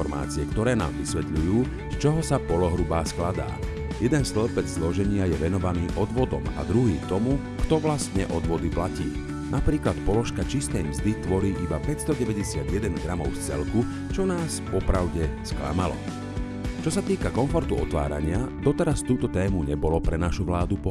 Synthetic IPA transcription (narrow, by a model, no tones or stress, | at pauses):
ɔɾma̰ːt͡siɛkt̪ɔɾɛːna̰ːmʋisʋɛt̪ʎujuː | st͡ʃɔɦɔsapɔlɔɦɾubaːsklad̪a̰ː | jɛd̪ɛnst̪lɛpɛd͡zzlɔʒɛɲɪajɛʋɛnɔʋaniːʔɔd̪ʋɔd̪ɔma̰d̪ɾuɦiːt̪ɔmu | kt̪ɔʋlast̪ɲɛʔɔd̪ʋɔd̪iplacḭː | napɾiːklat̪pɔlɔʃkat͡ʃist̪ɛjmzd̪it̪ʋɔɾiːʔibapɛcst̪ɔɟɛʋɛɟɛsɪad̪jɛd̪ɛnɡɾamɔʊst͡sɛ̰lku | t͡ʃɔnaːspɔpɾaʊɟɛskla̰malɔ̰ | t͡ʃɔsat̪iːkakɔnfɔɾt̪uɔ̰t̪ʋa̰ːɾa̰ɲɪad̪ɔt̪ɛɾast̪uːt̪ɔt̪ɛːmuɲɛbɔlɔpɾɛnaʃuʋlaːd̪upɔ